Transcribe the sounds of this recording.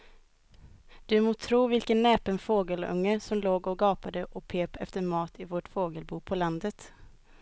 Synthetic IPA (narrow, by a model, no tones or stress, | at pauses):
d̪̥ɵmoːt̪ʰɾuːvɪlkənːɛːpənfoːɡəlɵ̰ŋːəsɔmloːɡɔɡɑːpad̪əʔɔpʰeːpɛ̰ft̪əɾmɑːt̪ʰɪvoʈfoːɡəlbuːpʰɔland̪ət̪